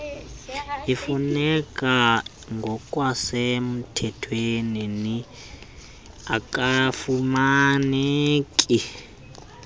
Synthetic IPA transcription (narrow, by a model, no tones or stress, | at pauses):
ifunɛkʼa | ŋɡʱɔkʼwasɛmutʰɛtʰwenini | akʼafumanekʼi